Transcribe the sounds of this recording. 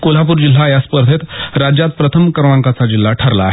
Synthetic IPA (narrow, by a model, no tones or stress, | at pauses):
kolapuːɾd͡ʑil̤ajaspəɾd̪ʰʱet̪ɾad͡ʑjat̪̚pɾət̪ʰəmkəɾʋaŋkat͡sad͡ʑil̤ːaʈʰəɾla̰ːɦe